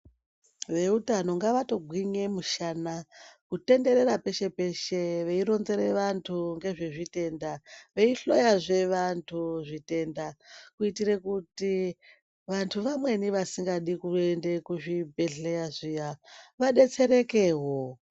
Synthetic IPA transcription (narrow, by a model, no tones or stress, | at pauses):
ʋe̞utano̞ŋɡaʋato̞ɡʱwiɲe̞muʃanakute̞nde̞ɾe̞ɾape̞ʃe̞pe̞ʃe̞ʋeiɾo̞nze̞ɾe̞ʋantʰuŋɡe̞ʐeʐite̞ndaʋe̞iɬo̞jaʐe̞ʋantʰuʐite̞ndakuitiɾe̞kuti | ʋantʰuʋamwe̞niʋasiŋɡaɗikuende̞kuʐibʱe̞ɮeaʐijaʋaɗe̞t͡se̞ɾe̞keːɦo̞